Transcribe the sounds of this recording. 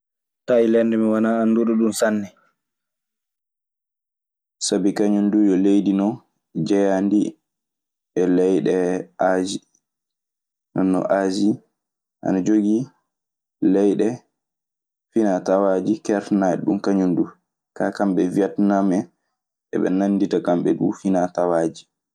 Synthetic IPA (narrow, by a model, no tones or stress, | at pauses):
tailɛndɛmiwanaːnduɗuɗunsanːɛ | sabikaɲundujɔlejdinɔ | d͡ʒɛjandi | ɛlɛjɗɛʔad͡ʒi | nanːɔ̰ʔad͡ʒi | ʔa̰nad͡ʒoɡi | lɛjɗɛ | finatawad͡ʒikɛɾtnaɛɗṵmkaɲundu | kakamɓɛviatnamɛ | ɛ̰ɓɛ̰nanditakamɓɛdṵfinatawad͡ʒi